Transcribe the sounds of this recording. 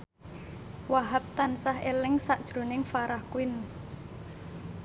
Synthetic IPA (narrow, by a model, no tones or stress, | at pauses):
waɦap̚t̪ansaɦelɪŋsaʔd̥ʒ̥ɾo̤nɪŋfaɾahkuɪn